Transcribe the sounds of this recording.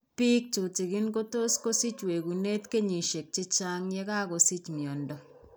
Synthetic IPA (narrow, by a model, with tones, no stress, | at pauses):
pi˦k̚t͡ʃu˨ti˨kɪ˦nko˦to˦sko˦si˦t͡ʃwe˨ku˨ne˦tke˦ɲi˨ʃe˨k̚t͡ʃɪ˦t͡ʃa˦ŋje˦ka˦ko˨si˦t͡ʃmjɔ˨ndɔ˨